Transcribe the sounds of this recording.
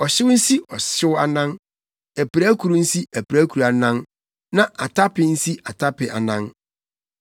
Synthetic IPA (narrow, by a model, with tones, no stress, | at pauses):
ɔ˨ɕɪ˦wn̩˦si˦ʔɔ˨ɕɪ˦wa˦nã˦n | æ˨pɾæ˦kʰu˨ɾu˦n̩˦si˦æ˨pɾæ˦kʰu˨ɾa˨nã˦n | nã˦ʔa˨tʰa˦pɪ˨n̩˦si˦ʔa˨tʰa˦pɪ˨ʔa̰˨nã˦n